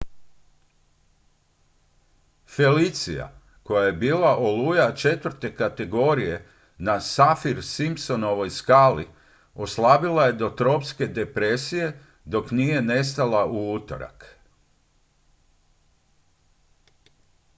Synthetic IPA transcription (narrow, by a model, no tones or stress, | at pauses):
fe̞lit̪sḭja̰ | ko̞jaje̞biːlaʔolujat͡ʃe̞t̪ʋɾt̪e̞kat̪e̞ɡo̞ːɾije̞ | nasafiɾsimpso̞noʋo̞jskaːli | o̞slabilˠaje̞d̪o̞t̪ɾo̞pske̞d̪e̞pɾesije̞ | d̪o̞knije̞ne̞s̬t̪alaʔuut̪o̰ɾa̰k